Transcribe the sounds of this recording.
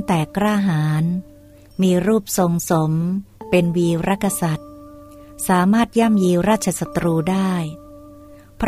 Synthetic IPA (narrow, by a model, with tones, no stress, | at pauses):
ŋt̪ɛː˨˩kɾaː˥˩ɦaː˩˦n | miː˧ɾuː˥˩p̚so˧ŋso˩˦mpe˧nwiː˧ɾa˦˥kʰːa˧sa˨˩t̪̚ | saː˩˦maː˥˩t̪̚jaː˥˩mjiː˧ɾaː˥˩t̪̚t͡ɕʰa˧sa˧t̪ɾuː˧daː˥˩j | pʰ